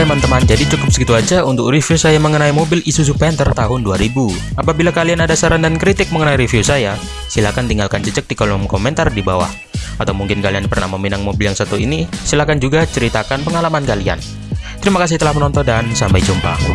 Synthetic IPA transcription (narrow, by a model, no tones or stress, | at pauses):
amant̪əmand͡ʒadit͡ʃukʊp̚sə̥kit̪uad͡ʒaunt̪ʊkrifiusajaməŋənaimobɪlisus̬upɛnt̪ərt̪aɦʊnduaɾibuapabilakalianadasəɾandankɾit̪ɪk̚məŋənaiɾifiusaja | silakant̪iŋɡalkant͡ʃət͡ʃək̚dikɔlɔmkomɛnt̪ardibawa̰h | at̪awmuŋkɪnkalianpərnahməminaŋmobɪljaŋsat̪uḭnisilakand͡ʒuɡat͡ʃəɾit̪akanpəŋalamankalia̰n | t̪əɾimakas̬ɪht̪əlahmənɔnt̪ɔndansampajd͡ʒumpa̰